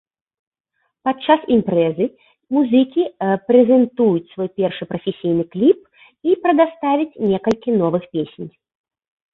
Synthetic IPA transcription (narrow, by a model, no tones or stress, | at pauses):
pat͡ʂːasimpɾɛzɨ | muzɨkʲipɾɛzʲɛnt̪ujut͡sʲsvɔjpʲɛrʂɨpɾɐfʲesʲijnɨklʲip̚ | ipɾɐd̪ast̪avʲit͡sʲnʲɛkɐlʲkʲinɔvɨxpʲesʲenʲ